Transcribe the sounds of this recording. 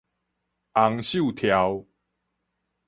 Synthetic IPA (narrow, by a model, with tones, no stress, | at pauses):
ʔa˨˦ŋɕju˥˨t̪ʰja˨˦w